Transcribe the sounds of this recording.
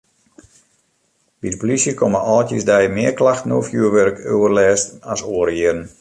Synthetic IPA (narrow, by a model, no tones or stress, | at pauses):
bidəpolisjəkʰoməʔɔːltjəsdɛjmɪərklaxtnoːfjuəʋørkʰøwərlɛːstasoːəɾiəɾn̩